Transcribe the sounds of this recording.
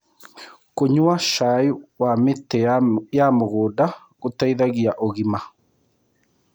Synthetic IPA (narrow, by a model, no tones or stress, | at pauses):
koɲʊaʃaːjwamɪt̪ːejamɔɣoda | kʊt̪ːajðaɡiaʔoɣɪma